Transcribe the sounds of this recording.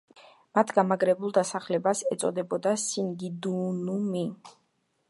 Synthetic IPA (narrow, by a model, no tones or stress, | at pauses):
mat̪ʰɡamaɡɾɛbulˠd̪asaχlɛbasɛt̪sʼɔ̰d̪ɛbɔd̪asiŋɡid̪unumi